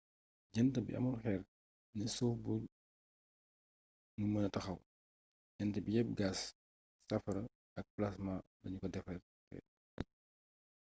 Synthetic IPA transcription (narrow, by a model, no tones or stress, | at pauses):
d͡ʒɐntɐbḭʔɐ̰mulxɛːr | nɛsɔwbu | mumɐnɐtɐxɐw | ɟɐntɐbijɛp̚ɡaːsː | ɐfɐɾɐ | ɐk̚plasma | dɐɲukɔdɛfɛr | fɛ̰